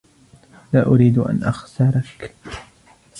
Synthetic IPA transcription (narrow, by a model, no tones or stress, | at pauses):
laːʔʊɾiːd̪ʔa̰nʔaxsɑɾˤɑk